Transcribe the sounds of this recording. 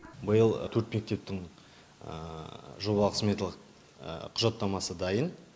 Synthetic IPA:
bəjəlˠt̪ʰɵɾt̪me̞k̚t̪e̞p̚t̪ɪŋ̰ | ʒo̞βɑlˠəqsmet̪lˠəq | qʰʊʒɑt̪ːɑmɑsəd̪ɑjən

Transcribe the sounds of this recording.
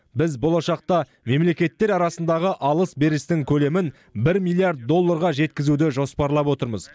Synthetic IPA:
bɪzbo̞lˠɑʃɑq̚t̪ɑ | me̞mle̞kʲe̞t̪ːe̞ɾɑɾɑsənd̪ɑʁəʔɑlˠəsbe̞ɾɪst̪ɪŋkʲʰɵle̞mɪn | bɪɾmijlʲˠijaɾt̪̚d̪o̞lˠːaɾʁɑʒe̞t̪kʲɪzud̪ɪʒo̞spɑɾlˠɑpwo̞t̪əɾmə̰z̥

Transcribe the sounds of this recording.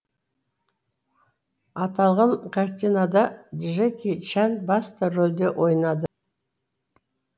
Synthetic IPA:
ɑt̪ɑlˠʁɑɴkʰɑɾt̪ʲinad̪ɑd̪ʲiʒekʲit͡ʃænbɑst̪ərolʲd̪e̞ʔo̞jnɑd̪ə

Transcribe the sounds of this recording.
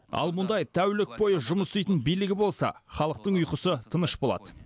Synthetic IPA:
ɑ̰lˠmʊnd̪ɑjt̪ʰæwlɪk̚po̞jəʒʊməst̪ejt̪ənbijlɪɡʲɪbo̞lˠsɑ̰χɑlˠəq̚t̪əɴʊjqəsət̪ʰənəʃbo̞lˠɑ̰d̪ə

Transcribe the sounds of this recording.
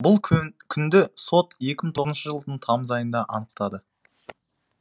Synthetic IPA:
bʊlˠkʲʰʏnd̪ɪso̞t̪je̞kʲɪmɪt̪ʰo̞nʃəʒəlˠd̪əɴt̪ʰɑmzɑjənd̪ɑʔɑnəq̚t̪ɑd̪ə

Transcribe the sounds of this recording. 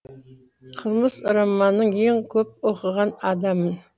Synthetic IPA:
qʰəlˠməzʊɾɑmːɑnːəɴjeŋkʲʰɵp̚oqəʁɑnɑd̪ɑmən

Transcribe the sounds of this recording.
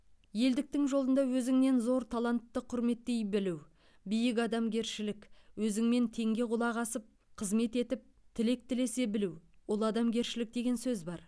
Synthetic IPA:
je̞ld̪ɪk̚t̪ɪŋʒolˠənd̪ɑwɵzɪŋne̞nzo̞ɾt̪ʰalˠant̪ːəqʰʊɾme̞t̪ːe̞jbɪluw | bɪjɪk̬ɑd̪ɑmɡʲe̞ɾʃɪlɪkwɵzɪŋme̞nt̪ʰe̞ŋɡʲe̞qʊlˠɑʁɑsəp̚ | qʰəzme̞t̪e̞t̪ɪp̚ | t̪ʰɪle̞k̚t̪ɪle̞se̞bɪluwwʊlˠɑd̪ɑmɡʲe̞ɾʃɪlɪk̚d̪e̞ɡʲe̞nsɵzbɑɾ

